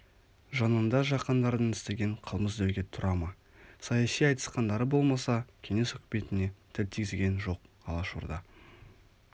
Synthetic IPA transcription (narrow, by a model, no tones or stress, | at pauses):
ʒɑnənd̪ɑʒɑqənd̪ɑɾd̪ənɪst̪eɡʲe̞ɴqʰəlˠməzd̪æwɡʲe̞t̪ʰʊɾɑmɑ | sɑjɑsijɑjt̪ə̥sqɑnd̪ɑɾəbo̞lˠmɑsɑkʲʰe̞ŋe̞sɵkʲɪme̞t̪ɪne̞t̪ʰɪlt̪ʰiɡʲɪzɡʲe̞nʒo̞q | ɑ̰lˠɑʃṵɾd̪ɑ